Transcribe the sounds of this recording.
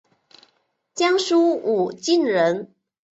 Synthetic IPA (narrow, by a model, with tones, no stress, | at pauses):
t͡ɕjɑ˥ŋʂu˥u˨˩t͡ɕi˥˩nɻə˧˥n